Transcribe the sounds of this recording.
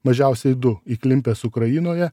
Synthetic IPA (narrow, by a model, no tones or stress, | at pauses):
mɐʒʲɛʊsʲɛɪd̪ʊiːklʲɪmʲpʲeːsʊkɾɐjɪnoːjɛ